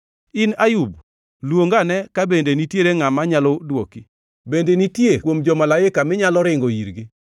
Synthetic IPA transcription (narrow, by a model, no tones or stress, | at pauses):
ɪnajub | lwoŋɡanɛkabendenitjeɾeŋamaɲalɔdwoki | bendenitjekwomd͡ʒɔmalaɪkamɪɲalɔɾɪŋɡɔiɾɡi